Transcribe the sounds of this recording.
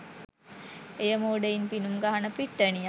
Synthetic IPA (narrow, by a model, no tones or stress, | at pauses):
ejəmoːɖəinpinumɡaɦanəpiʈːəni